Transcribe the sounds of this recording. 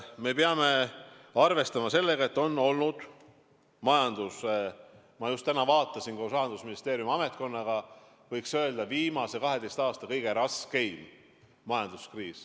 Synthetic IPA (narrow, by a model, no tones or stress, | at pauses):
me̞peɑme̞ɑrve̞st̪ɑmɑse̞lːe̞ɡɑe̞t̪ːo̞nːo̞lnud̪̥ | mɑjɑnd̪̥us | mɑjust̪ːænɑvɑːt̪ˑːɑsinkosɑhɑnd̪̥usminist̪e̞ːɾjumɑmet̪̚ko̞nːɑɡ̥ɑ | vɤjksøe̞ld̪ɑviːmɑsekɑɦe̞d̪e̞jst̪ɑːst̪ɑkɤjɡ̥e̞ɾɑske̞jm | mɑjɑnd̪̥uskriːs